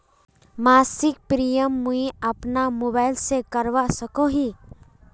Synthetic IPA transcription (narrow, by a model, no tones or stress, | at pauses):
maːsɪk̚pɾijəmːuiɐpnamoːbaːɪlsekɐɾʋasɐkoɦiː